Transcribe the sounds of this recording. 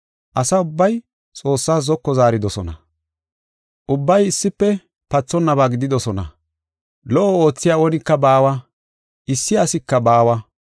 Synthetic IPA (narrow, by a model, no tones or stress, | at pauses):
ʔɐsɐʊbːɐj | t͡sʼo̞ːsːaːszɔkːɔzaːɾɪd̪ɔsɔnɐ̰ | ʔʊbːɐjɪsːɪpːɛ | pɐt͡sːɔnːɐβaːɡɪd̪ɪd̪ɔsɔnɐ̰ | lɔʔɔo̞ːt͡sːɪjaːɔnɪkːɐbaːwɐ | ʔɪsːɪɐsɪkːɐbaːwɐ